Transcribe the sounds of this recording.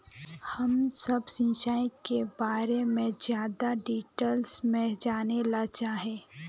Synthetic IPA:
hɐmsɐbsɪ̃nʃaːikebaːɾemẽzjaːd̪aɖiːʈelsmẽd͡ʒaːnelat͡ʃaːɦeː

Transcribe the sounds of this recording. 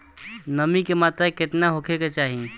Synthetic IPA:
nəmikemat̪ɾaket̪naɦokʰeket͡ʃaɦi

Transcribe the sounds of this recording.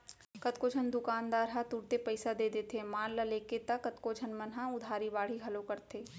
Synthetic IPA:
kɐt̪kod͡ʒʱənd̪ʊkaːnd̪aːɾɦat̪uɽt̪epɐɪsad̪eːd̪eːt̪ʰemaːllɐleːket̪ɐkɐt̪kod͡ʒʱənmɐnɦãʊd̪ʱaːɾibaːɽ̤iɦɐlokɐɾt̪ʰeː

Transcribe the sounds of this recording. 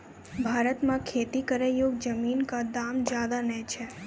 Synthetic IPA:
bʱaɾət̪mãkʰet̪ikəɾejoɡd͡ʒəminkad̪amd͡ʒjad̪anɛt͡ʃʰe

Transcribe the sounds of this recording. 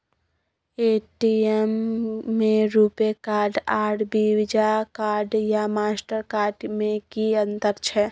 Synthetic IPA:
eʈiemː | eɾupekaːɾɖaɾɖbiwid͡ʒakaːɾɖjamaːsʈəɾkaːɾɖmẽkiənt̪əɾt͡ʃʰɛ

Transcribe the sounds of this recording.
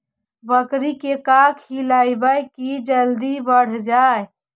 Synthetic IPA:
bəkɾikekakʰilaɪbəjkid͡ʒəld̪ibəɽ̤d͡ʒaj

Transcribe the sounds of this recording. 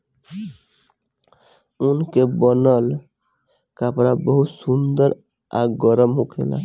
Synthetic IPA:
unkebɔnəl | kapɾabəɦut̪sund̪əɾ | a̰ɡɔɾəmɦokʰḛla̰

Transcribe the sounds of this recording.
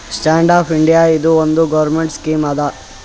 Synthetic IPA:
sʈaːɳɖaːpʰiɳɖijaid̪uond̪uɡɐʋɾmeɳʈskiːmaːd̪ɐ

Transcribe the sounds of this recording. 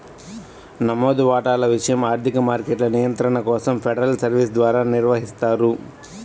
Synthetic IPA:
nɐmoːd̪uʋaːʈaːlɐʋiʂɐjɐmaːɾt̪ʰikɐmaːɾkeʈlɐnijɐnt̪ɾɐɳɐkɔːsɐmpʰeɖɐɾɐlsɐɾʋis̬d̪ʋaːɾaːniɾʋɐɦist̪aːɾu

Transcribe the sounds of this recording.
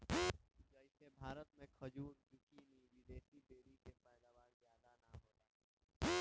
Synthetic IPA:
d͡ʒəisebʱaːɾət̪mẽkʰɐd͡ʒuːɾd͡ʒʊkiːniʋɪd̪eːʃib̪eːɾisepɛːd̪aːʋaːɾzjaːd̪anaɦoːt̪aː

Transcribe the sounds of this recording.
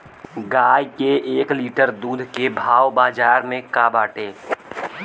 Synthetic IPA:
ɡaːjkeeːkliːʈəɾd̪uːd̪ʱkebʱaːwbaːd͡ʒaːɾmẽkaːbaːʈeː

